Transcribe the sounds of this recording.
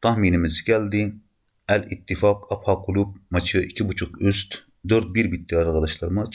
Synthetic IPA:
t̪ʰɑhminɪmɪzkʲʰɛld̪ɪ | ɛlit̪ʰːɨfɑqʰɑphɑqʰulˠup̚mɑt͡ʃʰɨikʲʰibut͡ʃʰuqyst̪ | d̪øɾt̪̚biɾbit̪̚ːijɑɾʁəd̪ɑʃlˠɑɾmɑt͡ʃ

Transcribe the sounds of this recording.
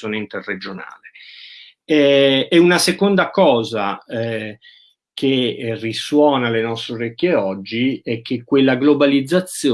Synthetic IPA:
joːneint̪erred͡ʒona̰ːle | ɛɛunasekond̪akɔːzaɛ | kʰeriswɔːnalenɔst̪ɾoɾekːeɔd͡ʒːiɛk̟ːekːwelːaɡlobalid̪zːat̪sːjo

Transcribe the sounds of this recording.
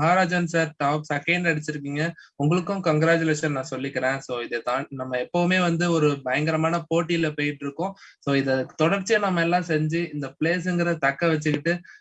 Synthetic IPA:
mɐɦaːɾaːd͡ʒɐnsaːɾʈaːksɐkːɐːɳɖɐɽɯt͡ʃːɪɾɯk̬ːiːŋɡɐʊŋɡɐɭɯkːʊ̃kɐŋɡɾaːt͡ʃʊleːʂɐnnãːsɔlːɪkːɪɾẽːsoːɪðet̪ãːnɐmːɐɛpːɐʋɯmeːʋɐnd̪ɯɔɾɯbɐjɐŋɡɐɾɐmaːnɐpoːʈːijɪlɐpoːjɪʈːɪɾɯkːʊ̃soːɪðɐt̪ɔɽɐɾt͡ʃːiɐnɐmːɐɛlːãːsɛɲd͡ʒɯɪnd̪ɐpɪleːsɛŋɡɪɾɐt̪ɐkːɐʋɛt͡ʃːɯkɪʈːɯ

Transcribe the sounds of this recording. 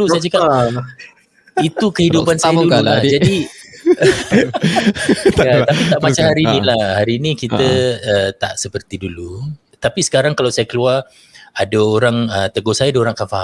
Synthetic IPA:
usajad͡ʒuka | it̪ukəhidupansajaduullahd͡ʒadi | at̪apit̪aʔmat͡ʃamhaɾiːnĩlahhaɾiːnĩkit̪əət̪a̰ʔsəpərt̪idulu | t̪apisə̥kaɾaŋkalawsajakəluar | adaoɾaŋət̪əɡosajadaoɾaŋkanfaha

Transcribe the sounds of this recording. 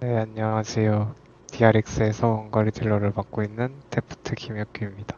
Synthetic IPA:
neaɲːʌŋad͡ʑijo | tiaɾik̚s͈ɯe̞sʰʌwʌŋɡʌɾitiɭːʌɾɯɭpak̚k͈oinːɯnte̞pʰu̥tʰɯkʰimjʌk̚k͈uimɲid̥ḁ

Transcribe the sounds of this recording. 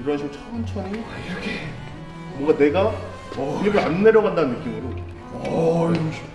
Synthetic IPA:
iɾoɦaɕʰiɡot͡ɕʰʌʌnt͡ɕʰʌniiɾʌkʰe | bwʌŋɡane̞ɡa | iibɯɾanːe̞ɾjʌɣandanɯnːɯk͈imɯɾo

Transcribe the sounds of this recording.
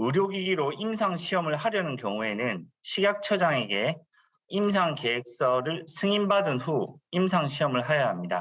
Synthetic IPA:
ɯɾjoɡiɡiɾoimsʰaŋɕʰiʌmɯɭhaɾjʌnɯnkjʌŋue̞nɯnɕʰiɡak̚t͡ɕʰʌd͡ʑaŋe̞ɡe̞ | ims̬ʰaŋke̞ɦek̚s͈ʌɾɯɭsʰɯŋinbadɯnɸuimsʰaŋɕʰiʌmɯɭɦajaɦamɲida

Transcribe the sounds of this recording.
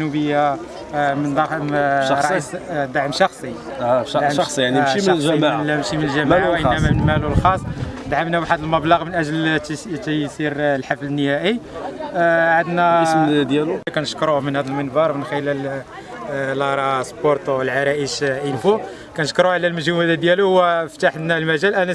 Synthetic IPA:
nubəjːa | mənd̪ɑmɾˤɑisd̪aʕmʃɑxsˤidʕsiaʕniʃimnlʒæmamʃimənəlʒæmaʕwʔənæmæmənmælulxɑsˤːd̪ʕamnæwaħəd̪əlmɑblɑɣmənʔæʒlt̪jsiɾlħaflənːəhæʔi | ʕad̪næsd̪jælukænəʃkɾuhmənhæd̪əlmənbɑɾˤmənxəlæl | lʔɑɾˤɑsboɾt̪wəlʕaɾˤɑʔəʃʔənfu | kænəʃkɾuʕlælməʒuwæd̪æd̪jæluhwæft̪aħd̪nælmæʒælʔænæ

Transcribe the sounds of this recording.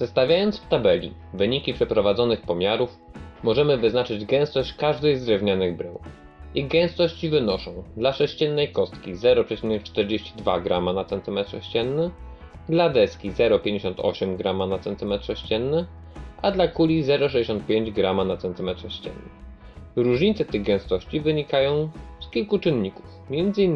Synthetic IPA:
z̥ɛst̪avʲjajɔnt̪sft̪abɛlʲḭ | vɘɲikʲipʂɛpɾɔvad̪zɔnɘxpɔmʲjaɾufmɔʐɛmɘvɘznat͡ʂɘd͡ʑɡɛ̃w̃st̪ɔɕt͡ɕkaʐd̪ɛjzd̪ɾɛvɲanɘɣbɾɛw | iɣɡɛ̃w̃st̪ɔɕt͡ɕvɘnɔʂɔ̃w̃d̪laʂɛɕt͡ɕɛnːɛjkɔst̪kʲizɛɾɔpʂɛt͡ɕimnʲɛkt͡ʂt̪ɛɾd͡ʑeɕt͡ɕid̪vaɡɾamanat̪sɛnt̪ɘmɛt̪ʂɛɕt͡ɕɛnːɘ | d̪lad̪ɛskʲizɛɾɔpʲjẽɲd͡ʑeɕɔnt̪ʰɔ̰ɕɛmɡɾamanat̪sɛnt̪ɘmɛt̪ʂɛɕt͡ɕɛnːɘ | ad̪lakulʲizɛɾɔʂ̬ɛd͡ʑʲeɕ̬ɔnt̪̚pʲjeɲd͡ʑɡɾamanat̪sɛnt̪ɘmɛt̪ʂɛɕt͡ɕɛ̰nːɘ | ɾuʐɲit̪sɛt̪ɘɣɡɛw̃st̪ɔɕt͡ɕivɘɲikajɔ̃w̃skʲilkut͡ʂɘnːɲiku̥fmʲjɛnd̪zɘinː

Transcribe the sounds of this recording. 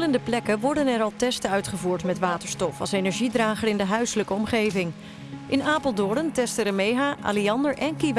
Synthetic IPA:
ləndəplɛkəʋɔɹdənɛɾɑlˠtɛstəœɥtχəvuːɹtmɛtʋaːtəɹstɔfɑ̰lˠsejnɛɹʒidraːχərɪndəɦœɥsələkəɔmχejvɪŋ | ʔɪnaːpəlˠdɔdəntɛstərəmejχaːʔa̰ːliɑndəɹʔɛnkiʋ

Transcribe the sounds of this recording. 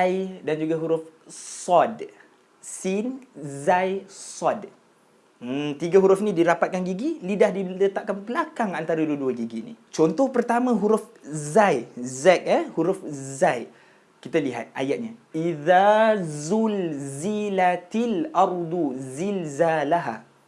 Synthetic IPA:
jdand͡ʒuɡaɦuɾʊfsɔd | sinzajsɔd | t̪iɡaɦuɾʊfnĩdiɾapat̪̚kanɡiɡilidahdilət̪aʔ̚kanpəlakaŋant̪aɾaduəduaɡiɡinḭt͡ʃɔnt̪ɔhpərt̪amãɦuɾʊfzajzɛk̚əhuɾʊfzaj | kit̪aliɦa̰t̪̚a̰jaʔ̚ɲaʔiðazulzilat̪ilʔɑɾd̪uzilzalaɦa̰

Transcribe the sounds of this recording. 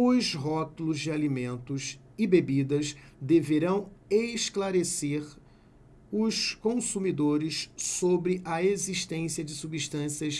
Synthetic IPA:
ʊzɦɔt̪ulʊzd͡ʒɪalimẽnt̪ʊs | ɪbebid̪ɐsd̪eveɾɐ̃w̃eʃklaɾeseɾ | ʊʃkõsumid̪oɾɪssobɾɪʔɐeziʃt̪ẽsiɐd͡ʒɪsubiʃt̪ɐ̃siɐs

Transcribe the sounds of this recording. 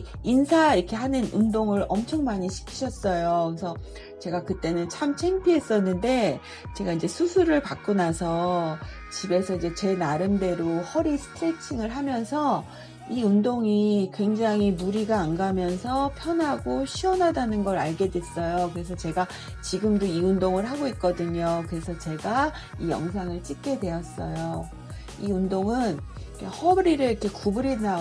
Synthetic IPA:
insʰaiɾkʰe̞ɦanɯnundoŋɯɾʌmt͡ɕʰʌŋmaɲiɕʰi̥kʰi̥ɕʰʌs͈ʌjosʰʌ | t͡ɕe̞ɡakɯt͈e̞nɯnt͡ɕʰamt͡ɕʰeŋpʰiɦe̞s͈ʌnːɯnde̞ | t͡ɕe̞ɡaid͡ʑe̞sʰusʰuɾɯɭpak͈unasʰʌ | t͡ɕibe̞sʰʌid͡ʑe̞t͡ɕe̞naɾɯnde̞ɾohʌɾisʰɯ̥tʰɾet͡ɕʰiŋɯɭɦamjʌnsʰʌ | iundoŋikwe̞ŋd͡ʑaŋimuɾiɡaːnɡamjʌns̬ʰʌpʰjʌnɦaɡoɕʰiʌnɦadanɯnɡʌɾaɭɡe̞dwe̞s͈ʌjokɯɾe̞s̬ʰʌt͡ɕe̞ɡa | t͡ɕiɡɯmdoiundoŋɯɭɦaɡoit̚k͈ʌdɯɲokɯɾe̞sʰʌt͡ɕe̞ɡa | ijʌ̰ŋs̬ʰaŋɯɭt͡ɕ͈ip̚k͈e̞dwe̞ʌs͈ʌjo | iundoŋɯn | ikʰehʌɾiɾɯɭikʰe̞kubɯɾina

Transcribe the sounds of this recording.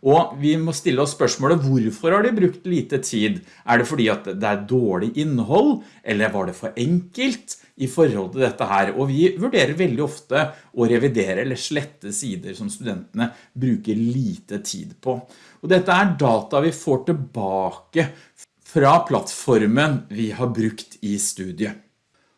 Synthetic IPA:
ɔʋɪmɔst̪ɪlːəɔsːpœʂmoːləʋʊɾfɔɾhɑɖɪbɾʉkt̪liːt̪ət̪ʰiːd̪ | ʔæɖɛfɔɖiːɑt̪d̪ɛæɾd̪oːɭɪʔɪnːəɦɔlː | ʔɛlːəɾʋɑɖɛfɔɾʔɛŋkəlt̪ | ɪfɔɾhɔlt̪ɪld̪ɛt̪ːəɦæːɾɔʋɪʋʉɖeːɾəɾʋɛld̪ɪɔft̪əʔɔɾɛʋɪd̪eːɾəɛlːəʂɭɛt̪ːəsiːd̪əɾʂɔmst̪ʉd̪ɛnt̪ənə | bɾʉːkəɾɭiːt̪ət̪ʰḭːd̪pʰɔ | ɔd̪ɛt̪ːəæɖɑːt̪ɑʋɪfoːʈɪlbɑːkə | fɾɑpʰlɑt̪fɔɾmənʋɪhɑɾbɾʉkt̪ɪst̪ʉːd̪ɪə

